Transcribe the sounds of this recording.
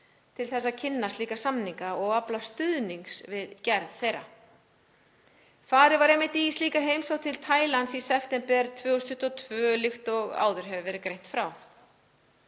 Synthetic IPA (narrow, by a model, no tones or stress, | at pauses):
t̪ʰɪlθɛsːacʰɪnːast̪liːkasamniŋkaɔɣaplast̪ʏðniŋksvɪðcɛɾðθejɾa̰ | faːɾɪɾvaɾɛmːɪht̪ijst̪liːkaɦejmsowt̪ʰɪlt̪ʰaːjlansisɛft̪ɛmpɛɾt̪ʰvœːust̪ʏht̪ɔt̪ʰvœːlɪxt̪ɔɣa̰ːwðʏɾ̥ɦɛvʏvɛɾɪkɾejn̥t̪fɾaw